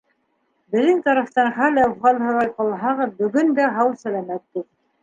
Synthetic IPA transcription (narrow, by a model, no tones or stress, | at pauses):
bɘ̆ðɘŋt̪ɑɾɑ̆ft̪ɑnχælæfʁɑlʲhɤ̆ɾˠɑjqɑlˠɦɑʁɤðbɵ̆ɡɵnd̪æɦɑwsælæmæt̪̚ːu